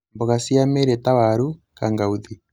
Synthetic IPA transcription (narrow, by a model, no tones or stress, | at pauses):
mboɣasiameɾetaβaɾukaŋɡauði